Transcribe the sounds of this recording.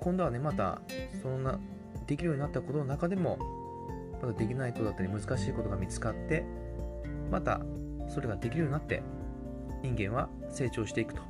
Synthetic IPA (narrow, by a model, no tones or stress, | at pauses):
kõnd̪o̞βane̞mat̪a̰so̞nona | d̪̥e̞kʲiɾɯ̟joɲ̟inat̪ːako̞t̪o̞nonakad̪e̞mo̞ | mat̪ad̪e̞kʲinaikot̪oat̪ːaɾʲimɯ̟zɨkaɕiːko̞t̪o̞ɡamʲit͡sɨ̥kat̪ːe̞ | mat̪a̰ | so̞ɾeɡad̪e̞kʲiɾɯ̟joɲinat̪ːe̞̰ | ɲĩŋɡẽ̞ɰ̃βa | se̞ːt͡ɕo̞ːɕi̥t̪e̞ikɯ̟t̪o̥